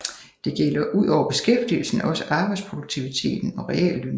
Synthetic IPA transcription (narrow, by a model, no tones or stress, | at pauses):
d̥e̝ɡ̥elɐʔuð̞̰ˠɒʊ̰ɐb̥e̝sɡ̥efd̥ḭl̩sn̩ɒ̽sə̥ʔɑ̈ːb̥ɑ̈ɪd̥̪spʰʁo̝d̥oɡ̥̚t͡sʰiʋit͡sʰe̝̰ːd̥n̩ɒ̽ʁɛɛ̰lːøn